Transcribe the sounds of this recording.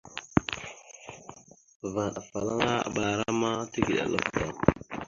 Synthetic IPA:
va˨ɗa˨fa˨la˦ŋa˦a̰˨ba˨ɾa˦ma˦ti˦ɡi˨ɗa̰˨lə̰˦fta˨

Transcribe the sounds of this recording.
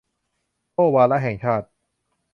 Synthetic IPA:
t̪oː˥˩waː˧la˦˥ɦɛ˨˩ŋt͡ɕʰaː˥˩t̪̚

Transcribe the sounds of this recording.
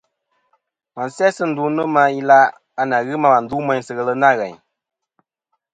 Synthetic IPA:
ma˨n˨sɛ˦sɨ˦n̩˨du˦nɨ˦ma˧i˦la˦ | a˨na˨ɣɨ˦ma˦ma˨n̩˨du˦mɛ˨˦ɲ˦sɨ˨ɣə˨lə˦na˦˨ɣɛ˨ɲ

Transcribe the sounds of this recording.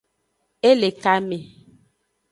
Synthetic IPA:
e˦le˨ka˦me˨

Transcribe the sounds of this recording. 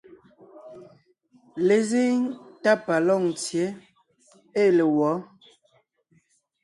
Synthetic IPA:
le˨ze˦ŋta˦pa˨lɔ˦˨ŋt͡sje˨˦ | e˦˨le˨wɔ˨˦

